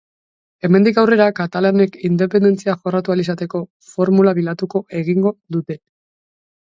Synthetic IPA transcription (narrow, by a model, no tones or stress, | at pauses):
e̞me̞nd̪ikawre̞ɾakat̪alane̞kind̪e̞pe̞nd̪e̞nt͡siaʝo̞rat̪ualis̬at̪e̞ko̞ | fo̞ɾmulaβilat̪uko̞ʔe̞ɣ̞iŋɡo̞ðut̪e̞